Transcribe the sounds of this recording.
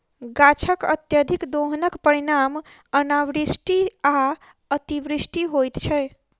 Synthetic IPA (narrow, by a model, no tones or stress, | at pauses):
ɡat͡ʃʰəkə̰t̪jəd̪ʱikd̪oɦənəkpəɾiɾam | ənaʋɾisʈia | ət̪ibɾisʈiɦojt̪t͡ʃʰəj